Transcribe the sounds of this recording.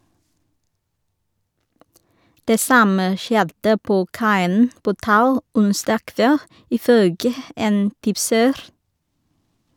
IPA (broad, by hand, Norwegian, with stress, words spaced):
ˈdeː ˈsɑmə ˈʃjɛdə ˈpoː ˈkɑɪən ˈpoː ˈtɑʉ ˈʊnsdɑː ˈkʋɛl ɪˈføːɡə ˈeːn ˈtɪpsəɾ